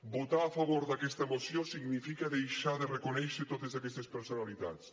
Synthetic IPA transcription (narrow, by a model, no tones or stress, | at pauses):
bot̪aafaβoɾðakɛst̪ɐemosjosiɣnifikɐðejʃaðɪrekonɛjʃɪt̪oðezakɛst̪espeɾsonaliða̰ts